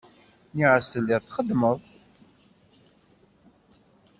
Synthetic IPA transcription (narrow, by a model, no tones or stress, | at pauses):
niʕəst̪əlːiʁˤθχəd̪ːməðˤ